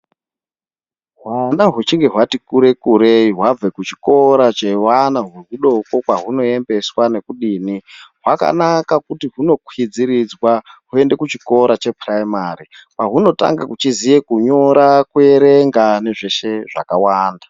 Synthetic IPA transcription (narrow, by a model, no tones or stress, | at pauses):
ɦwanaɦut͡ʃiŋɡe̞ɦwatikuɾe̞kuɾeiɦwab͡vekut͡ʃi̥ko̞ɾat͡ʃewanaɦweɦuɗo̞ko̞kwaɦuno̞e̞mbe̞swane̞kuɗiːniɦwaka̰nakakutiɦuno̞kwid͡ziɾid͡zwaɦue̞nde̞kut͡ʃiko̞ɾat͡ʃe̞praimaripaɦuno̞ta̰ŋɡakut͡ʃizije̞kuɲo̞ɾakueɾeŋɡane̞ʐe̞ʃe̞ʐakawaːnda